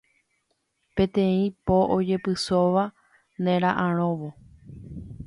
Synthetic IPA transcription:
pẽ̞t̪ẽ̞ĩpoʔod͡ʒe̞pɨsoʋa | nẽɾ̃ãʔãɾ̃õʋo

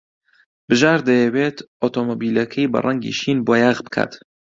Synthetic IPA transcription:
bɨʒaːɾd̪ɐjɛweːt̪ʰot̪ʰomobiːlɐkʰɐjbɐ̰rˤʔɐŋɡḭʃinboːjaːɣbɨ̥kʰa̰ːt̪

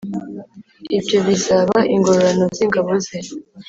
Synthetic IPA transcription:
ibjoβisaβaʔiŋɡoɾanoziŋɡaβoze

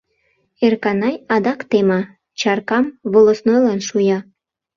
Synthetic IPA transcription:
erkɑnɑjɑd̪ɑkt̪emɑ | t͡ɕɑrkɑmβolosnojlɑnʃujɑ

